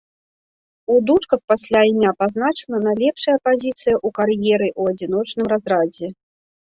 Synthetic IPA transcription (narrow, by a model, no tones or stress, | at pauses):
ud̪ut͡ʂkɐxpasʲlʲaimʲapaznat͡ʂɐnɐnalʲɛpʂɐjɐpazʲit̪sɨjɐʔukarjɛɾɨʔuɐd͡zʲin̪ɔt͡ʂnɨmrazrad͡zʲɛ